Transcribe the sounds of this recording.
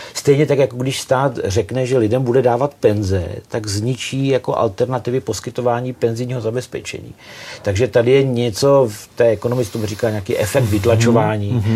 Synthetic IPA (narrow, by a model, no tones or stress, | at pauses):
st̪ɛjɲɛt̪akjakoɡdɪʃst̪aːt̪r̝ɛknɛʒɛlɪdɛmbudɛdaːvat̪pɛnzɛ̰t̪aɡzɲɪt͡ʃiːjako̞ʔa̰lt̪ɛɾnat̪ɪvɪpo̞skɪt̪o̞vaːɲiːpɛnzɪjɲiːɦo̞zabɛspɛ̰t͡ʃɛ̰ɲḭːt̪aɡʒɛt̪adɪjɛɲɛt͡so̞ft̪ɛːɛko̞nomɪt͡sɪ̥t̪omɪriːkaːɲeakḭːʔɛfɛk̚t̪vɪt̪lat͡ʃo̞vaːɲiː